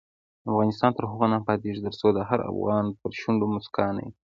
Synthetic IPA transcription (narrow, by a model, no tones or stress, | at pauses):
afɣɑnɪst̪ɑnt̪əɾɦʊɣanɑpɑd̪eʒd̪əɾsod̪əɦaɾa̰fɣɑnpəɾʃʊɳɖomʊskɑnḛ